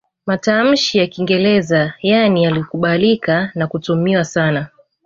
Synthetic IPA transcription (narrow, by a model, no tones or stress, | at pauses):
matam̩ʃijakiŋɡɛlɛzajanijalikuɓalikanakutumiwasana